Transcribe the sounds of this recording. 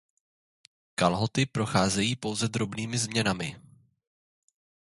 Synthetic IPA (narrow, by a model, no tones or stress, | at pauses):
kalɦo̞t̪ɪpɾo̞xaːzɛjiːpo̞wzɛd̪ɾo̞bniːmɪzmɲɛnamɪ